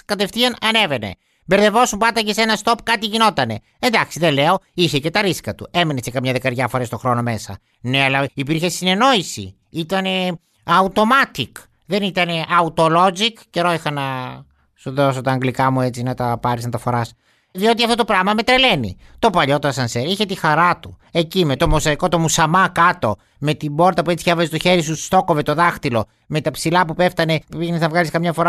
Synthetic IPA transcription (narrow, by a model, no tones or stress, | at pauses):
kɐt̪e̞fθiɐnɐne̞ve̞ne̞̰ | beɾðevo̞sumpɐd̪ɐcesenɐst̪o̞pkɐt̪iʝino̞t̪ɐne̞ | end̪ɐksiðele̞o̞içece̞t̪ɐɾiskɐt̪ue̞minesekɐmɲɐðekɐɾʝɐfoɾest̪o̞xɾo̞no̞me̞sɐ̰ | neɐlɐipiɾçe̞sine̞no̞isḭ | it̪ɐne̞ | ɐut̪o̞mɐt̪ik | ðe̞nit̪ɐne̞ʔɐut̪o̞lo̞zikceɾoixɐnɐ | suðoso̞t̪ɐːŋɡlikɐmuet͡sinɐt̪ɐpɐɾisnɐt̪ɐfo̞ɾɐs | ðio̞t̪̬iɐft̪ot̪opɾɐɣmɐme̞t̪ɾele̞nḭ | t̪o̞pɐʎo̞t̪oɐsɐnseɾiçe̞t̪ixɐɾɐt̪u | e̞cime̞t̪o̞mosɐiko̞t̪o̞musɐmɐkɐt̪o̞ | me̞t̪ibo̞ɾt̪ɐpuet͡siçɐvɐzet̪o̞çe̞ɾisust̪o̞ko̞vet̪o̞ðɐxt̪ilo̞ | me̞t̪ɐpsilɐpupe̞ft̪ɐne̞iɣnesθɐvɣɐliskɐmɲɐfo̞ɾɐ